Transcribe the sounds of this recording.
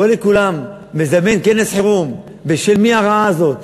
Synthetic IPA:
olekulamː | ezamenkenesħeʁum | beʃelmiaʁaaːzo̞t̪

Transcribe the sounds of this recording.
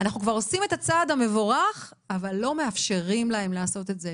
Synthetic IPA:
anaχnukvaʁo̞sime̞t̪at͡sad̪hame̞voʁaχ | avalːo̞me̞afʃe̞ʁimlae̞mleːso̞t̪e̞tze

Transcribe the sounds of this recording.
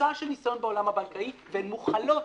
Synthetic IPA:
aʃelnisjonbeo̞lamhabalkaivenmuχalo̞t

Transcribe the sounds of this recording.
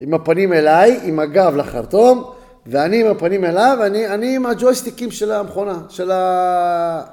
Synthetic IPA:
imapanime̞lajimaɡavlaχa̰ʁt̪o̞m | veaniimapanimelajvanianiːmad͡ʒojst̪ikimʃelamχonaʃela

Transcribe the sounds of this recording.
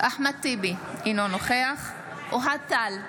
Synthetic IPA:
aħmat̪ibiinonoχeaχ | uɦat̪al

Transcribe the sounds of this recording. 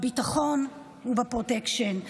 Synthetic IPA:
bitaχo̞n | huvapʁotekʃon

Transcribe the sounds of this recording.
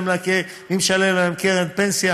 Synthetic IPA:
mlake | imʃalelaemkeʁempensja

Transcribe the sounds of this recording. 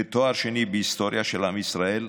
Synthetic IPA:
et̪oaɾʃenibeist̪oɾjaʃelamisɾael

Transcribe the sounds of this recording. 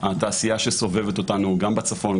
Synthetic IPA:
at̪aːsijaʃeso̞vevet̪ot̪anuɡambat͡safo̞n

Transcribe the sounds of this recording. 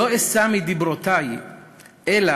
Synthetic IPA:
oesamid̪ibɾot̪aj | ʔela

